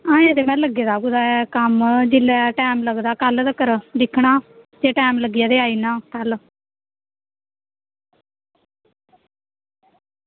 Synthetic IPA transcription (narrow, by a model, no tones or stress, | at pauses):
ãːəd̪eːmɛ̃ːləɡeːd̪aːɡud̪aːɛːkəmd͡ʒɪlːɛːʈɛːmləɡd̪aːkəld̪əkəɾd̪ɪkʰɳaːd͡ʒeːʈaːmləɡɪjaːd̪eːaːiːnãːkəl